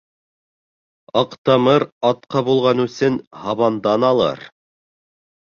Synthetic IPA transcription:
ɑqt̪ɑmɤɾɑt̪̚qɑbulˠʁɑnɵ̆sɘnhɑβɑnd̪ɑnɑlˠɤ̰ɾ

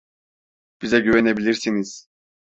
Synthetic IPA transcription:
b̥izɛɟyvɛnɛbilʲiɾsiniz̥

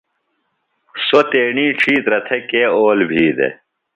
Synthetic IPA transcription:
sot̪eːɳĩːʈ͡ʂʰiːt̪ɾɐt̪ʰekeːoːlbʱiːd̪ḛ

